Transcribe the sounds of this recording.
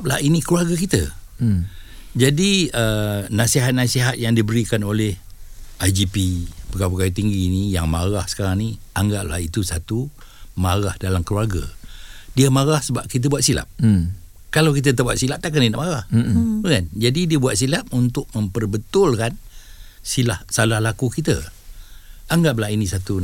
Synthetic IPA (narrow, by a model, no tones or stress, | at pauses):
p̚la̰hinikluarɡakit̪ə̰ | d͡ʒadiənasiɦat̪̚nasiɦat̪̚jaŋdibəɾikanolɛhajd͡ʒipipəkapəkajut̪iŋɡiːnijaŋmaɾahsə̥kaɾaŋni | aŋɡaʔ̚la̰hit̪usat̪umaɾahdalamkluarɡa̰diəmaɾahsəbap̚kit̪̬əbuat̪sila̰p̚ | kalawkit̪̬ət̪aʔbuat̪̚silap̚t̪ak̬aninaʔmaɾahəkand͡ʒadidiəbuat̪̚silap̚unt̪ʊk̚məmpərbət̪ʊlkansilahsalahlakukit̪ə | aŋɡaʔlahinisat̪u